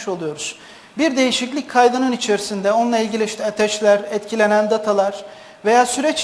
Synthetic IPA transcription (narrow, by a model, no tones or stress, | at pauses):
ʃo̞lˠujo̞ɾuz̥ | biɾd̪e̞jiʃiclʲic̚ʲkʰajd̪anɯnit͡ʃʰe̞ɾisind̪ɛo̞nlˠailʲɟʲilʲiʃt̪ɛat̪ʰɛʃlʲæɾɛt̪cʰilʲe̞nænd̪at̪ʰalˠaɾ̥ | ve̞jaːsyɾɛt͡ʃ